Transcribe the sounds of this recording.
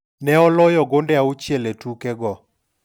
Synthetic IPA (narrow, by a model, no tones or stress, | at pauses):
nɛɔlɔjɔɡondɛaut͡ʃjeletukɛɡɔ